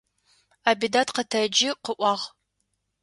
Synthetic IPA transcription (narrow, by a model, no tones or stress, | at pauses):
aːbidatʰqətʰɐd͡ʒɪqəʔʷɑːʁ